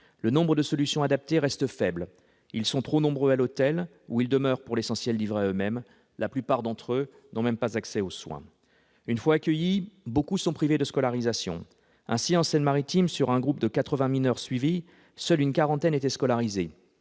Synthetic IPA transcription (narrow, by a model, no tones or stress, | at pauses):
lənɔ̃bʁəd̪əsɔlysjɔ̃ad̪ap̚t̪eʁɛst̪əfɛbl | ilsɔ̃t̪χonɔ̃bʁøalot̪ɛl | uild̪əmœʁpuʁlesɑ̃sjɛlːivʁeaømɛm | laplypaʁd̪ɑ̃t̪χø | nɔ̃mɛmpazaksɛoswɛ̰̃ | ynfwaːkʲəjibokusɔ̃pχived̪əskɔlaʁizasjɔ̰̃ | ɛ̃siɑ̃sɛnmaʁit̪imsyʁɛ̃ɡʁupd̪əkat̪χəvɛ̃minœʁsɥivi | sœlynkaʁɑ̃t̪ɛnet̪ɛskɔlaʁize